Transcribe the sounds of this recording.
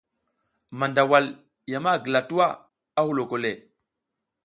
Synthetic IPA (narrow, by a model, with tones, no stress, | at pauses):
ma˨nda˨wa˨l | ja˨ma˦˨ɡə˨la˨tu˦wa˦ | a˦hu˨lo˨ko˨le˨